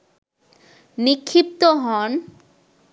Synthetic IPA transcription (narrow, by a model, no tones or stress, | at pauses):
nikʰːip̚t̪oɦɔn